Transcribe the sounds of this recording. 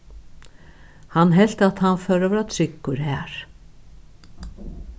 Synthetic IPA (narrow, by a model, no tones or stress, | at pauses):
hanːɦɛl̥t̪at̪hanfœːɾɔvɾat̪ʰɾɪkːʊɾhɛːɾ̥